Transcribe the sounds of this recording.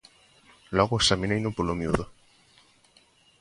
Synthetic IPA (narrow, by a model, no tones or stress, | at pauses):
lɔɣʊesamĩnejnʊpolomjuðo